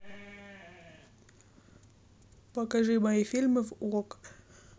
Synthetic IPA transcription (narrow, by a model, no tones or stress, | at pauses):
pɐkɐʐɨmɐjifʲilʲmɨvuʁok